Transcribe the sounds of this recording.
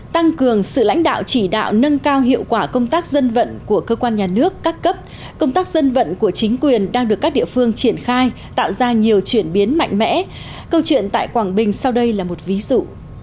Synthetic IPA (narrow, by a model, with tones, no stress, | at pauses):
t̪a˧ŋkɨ˨˩əŋsɨ̰˧˨la̰˧˥jŋ̟ɗa̰ː˧˨wt͡ɕi˧˩ɗa̰ː˧˨wnə˧nkaː˧wɦḭ˧˨əwkwaː˧˩kə˧wŋ͡mt̪aː˦˥k̚zə˧nvə̰˧˨nku˧˩əkəː˧kwaː˧nɲaː˨˩nɨ˦˥əkːaː˦˥kːə˦˥p̚ | kə˧wŋ͡mt̪aː˦˥k̚zə˧nvə̰˧˨nku˧˩ət͡ɕï˨˦ŋ̟kwi˨˩ənɗaː˧ŋɗɨ˨˩əkːaː˦˥k̚ɗḭ˧˨əfɨ˧əŋt͡ɕi˧˩ənxaː˧j | t̪a̰ː˧˨wzaː˧ɲi˨˩əwt͡ɕwi˧˩ənɓi˨˦ənma̰˧˨jŋ̟mɛ̰˧˥ | kə˧wt͡ɕwḭ˧˨ənt̪a̰ː˧˨jkwaː˧˩ŋɓï˨˩ŋ̟sa˧wɗə˧jlaː˨˩mo˨˩t̚vi˨˦zṵ˧˨